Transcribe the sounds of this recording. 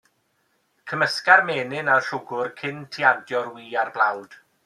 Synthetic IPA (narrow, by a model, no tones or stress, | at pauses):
kʰəməskarmeːnɪnarɬʊɡʊrkʰɪntʰiadjɔrwiːarblˠawd̥